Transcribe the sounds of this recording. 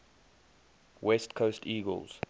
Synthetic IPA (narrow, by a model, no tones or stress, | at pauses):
wɛstkʰostiːɡə̰lˠz̥